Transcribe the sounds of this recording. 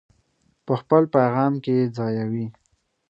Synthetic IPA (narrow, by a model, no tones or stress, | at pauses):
pəxpəlpajɣɑmked͡zɑjawi